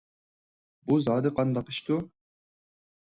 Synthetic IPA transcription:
buzɑːd̪ɨqʰɑnd̪ɑqɨʃt̪u

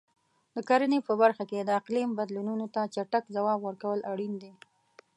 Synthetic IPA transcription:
d̪̥əkaɾənepəbaɾxaked̪əaqlimbad̪lununot̪at͡ʃaʈakzawɑbwəɾkawəlʔaɽind̪e

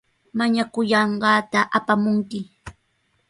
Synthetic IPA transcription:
maɲakʊjɑɴɢɑːt̪aʔapamʊŋkɪ

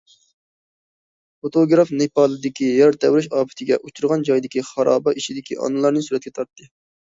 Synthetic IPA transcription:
fot̪ʰoɡɾɑfnepɑːlˠɨd̪ɪkʲijɑɾt̪ʰɛwɾɪʃɑːpɪ̥t̪ʰɪɡʲɛʔut͡ʃʰuɾʁɑnd͡ʒɑjd̪ɪkʲiχɑɾɑ̰ːbɑʔiʃid̪ɪkʲiʔɑ̰nɨlˠɑɾnɨsyɾɛt̪̚kʲʰɛt̪ʰɑɾt̪ːɨ

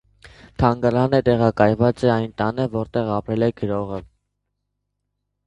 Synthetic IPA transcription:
t̪ʰɑŋɡɑɾɑnət̪ɛʁɑkɑjvɑt͡sɛɑjnt̪ɑnəvɔɾt̪ɛʁɑpɾɛlɛɡəɾɔʁə

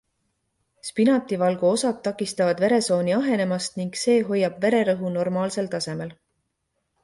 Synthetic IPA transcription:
spinɑt̪ːˑivɑlɡ̥uo̞sɑd̪̚t̪ːɑkˑːist̪ɑvɑd̪ve̞ɾe̞so̞ːniɑɦe̞ne̞mɑst̪niŋɡ̥se̞ːɦo̞jːɑb̥ve̞ɾe̞ɾɤɦuno̞rmɑːlse̞lt̪ɑse̞me̞l

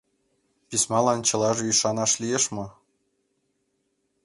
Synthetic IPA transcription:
pʲisʲmɑlˠɑnt͡ɕɤ̆lˠɑʒɤ̆yʃɑnɑʃlʲijeʃmɤ̆

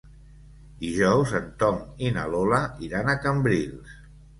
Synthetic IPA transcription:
d̪iʒɔwzənt̪ɔŋina̰lolaiɾanəkəmbɾilˠs

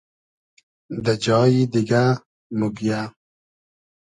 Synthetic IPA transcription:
d̪ad͡ʒɑːjid̪ɪɡa | muɡija

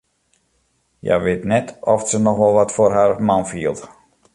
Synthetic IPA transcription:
ja̰ʋɪtnɛtʰɔfsənɔxʋɔlˠʋɔtfoːrɦarmanfiəlˠt

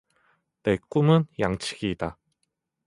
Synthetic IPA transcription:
tek͈umɯnjaŋt͡ɕʰi̥ɡida

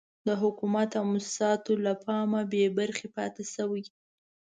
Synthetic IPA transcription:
d̪əɦʊkumat̪awmʊssɑt̪olapʰɑmabebaɾxepɑt̪esəwij

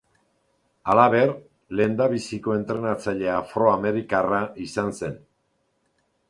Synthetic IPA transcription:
alaβe̞r | le̞nd̪aβisiko̞e̞nt̪ɾe̞nat͡saʎe̞afɾo̞ame̞ɾikaraisanse̞n

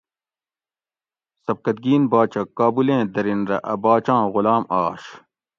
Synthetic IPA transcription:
sɐb̚kɐt̪̚ɡiːnbaːt͡ɕɐkːaːbulẽːd̪ɐɾinɾɐ̰ʔɐbaːt͡ɕãːɣʊlaːmaːɕ

